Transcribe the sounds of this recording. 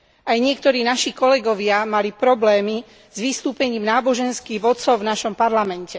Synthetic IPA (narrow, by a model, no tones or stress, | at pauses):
ʔajɲɪɛkt̪ɔɾiːnaʃikɔlɛɡɔʋɪamalipɾɔblɛːmi | zʋist̪uːpɛɲiːmnaːbɔʒɛnskiːɣʋɔt̪t͡sɔʊvnaʃɔmpaɾlamɛncɛ